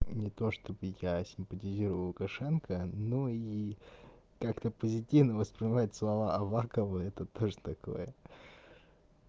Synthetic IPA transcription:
nʲɪt̪o̞ʂt̪o̞bɨjasʲɪmpətʲɪzʲiɾəvəlˠʊkɐʂɛnkənoi | kakt̪əpəzʲɪtʲivnəvəspɾʲɪnʲɪmajʊt̪slˠɐvaɐvakəvɨɛt̪ət̪oʐɨt̪ɐko̞̰jə

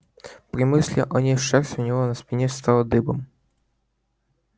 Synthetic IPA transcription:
pɾʲɪmɨsʲlʲɪ̰ʔɔnʲeʂɛrsʲʊnʲɪvonɐspʲɪnʲɛst̪ɑlˠɐd̪ɨbɐm

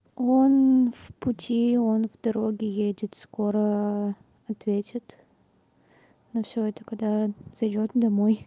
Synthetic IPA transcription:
o̞nfpʊtʲio̞nvd̪ɐɾo̞ɡʲɪjedʲɪt̪sko̞ɾə | ɐt̪vʲetʲɪt̪ | nɐfsʲoɛt̪əkɐɡd̪az̥ɐjdʲot̪d̪ɐmoj

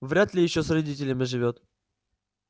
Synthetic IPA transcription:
vɾʲat̪lʲɪjɪɕːosrɐdʲitʲɪlʲɪmʲɪʐɨvʲot̪

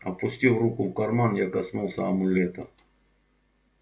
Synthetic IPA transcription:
ɐpʊsʲtʲilˠrukʊfkɐrmanjakɐsnulˠsʲə̰ɐmʊlʲet̪ə

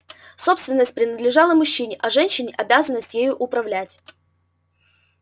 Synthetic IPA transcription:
so̞pst̪vʲɪnːəsʲt̚ʲpɾʲɪnəd̪lʲɪʐɑlˠəmʊɕːinʲɪʔɐʐɛnʲɕːɪnʲɪʔɐbʲæzənːəsʲtʲjejʊʔʊpɾɐvlʲætʲ

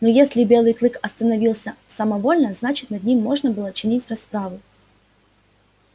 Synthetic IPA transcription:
nojesʲlʲɪbʲe̞lˠɨjklˠɨkɐst̪ənɐvʲilˠsʲəsɐmɐvo̞lʲnəznat͡ɕɪ̥t̪nɐd̪̚ʲnʲimːo̞ʐnəbɨlˠət͡ɕɪnʲitʲrɐspɾavʊ

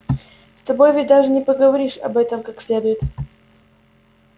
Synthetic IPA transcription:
st̪ɐbojvɪt̚ʲd̪aʐɨnʲɪpəɡəvɐɾʲiʂɐ̰bɛt̪əmkaksʲlʲed̪ʊjɪt̪

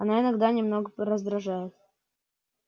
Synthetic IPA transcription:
ɐnaɪnɐɡd̪anʲɪmno̞ɡəɾəzd̪ɾɐʐajɪt̪

